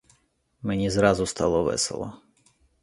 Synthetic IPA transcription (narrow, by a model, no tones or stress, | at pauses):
menʲizɾɑzʊst̪ɑlˠɔʋɛ̰sḛlˠɔ̰